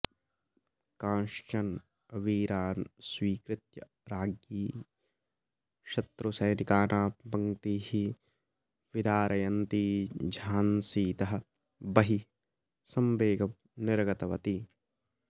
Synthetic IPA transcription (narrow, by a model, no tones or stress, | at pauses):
kãːʃt͡ʃɐn | ɐʋiːɾaːnswiːkɾɪt̪jɐ | ɾaːɡjiː | ʃɐt̪ɾusɐjnikaːnaːbɐŋt̪ihi | ʋid̪ʱaːɾʔɐjɐnt̪iːd͡ʒʱaːnsiːt̪ɐɦɐ̆ | bɐɦi | sɐmʋeːɡɐm | nɪɾɡɐt̪ɐʋɐt̪i